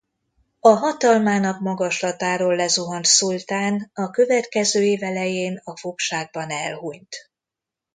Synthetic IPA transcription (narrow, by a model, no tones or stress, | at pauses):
ɒɦɒt̪ɒlmaːnɒkmɒɡɒʃlɒt̪aːɾoːlːɛzuɦont̪sult̪aːnɒkø̞vɛt̪kɛzøːeːvɛlɛjeːnɒfokʃaːɡ̚bɒnɛlhuɲt̪